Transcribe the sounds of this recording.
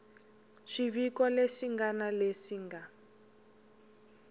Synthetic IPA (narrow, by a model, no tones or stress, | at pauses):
ʃiβikɔleʃiŋɡanaleʂiːŋɡa